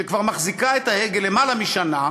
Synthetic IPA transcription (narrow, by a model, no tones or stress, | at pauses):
ekvaʁmaχzikaet̪aeɡele̞malamiʃana